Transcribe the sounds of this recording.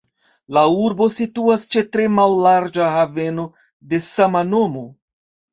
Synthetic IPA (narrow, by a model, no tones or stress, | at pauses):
lauɾbo̞situast͡ʃe̞tɾe̞malːaɾd͡ʒahave̞no̞ | de̞samano̞mo̞